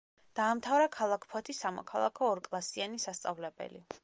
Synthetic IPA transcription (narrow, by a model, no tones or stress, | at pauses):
d̪̥aːmt̪ʰavɾakʰalˠakʰpʰɔt̪ʰisamɔ̰kʰalˠa̰kʰɔːɾkʼlˠasianisast̪sʼavlɛbɛ̰lḭ